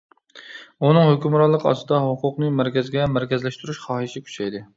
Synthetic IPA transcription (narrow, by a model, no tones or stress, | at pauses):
unɨŋhøkʲymɾɑlˠːəqɑ̰sɨd̪ɑɦuqʰʊqnɨmæɾkʲɛzɡʲɛmæɾkʲɛzlɛʃt̪yɾyʃχɑːɦɨʃɪkʲʰy̥t͡ʃʰɛjd̪ɨ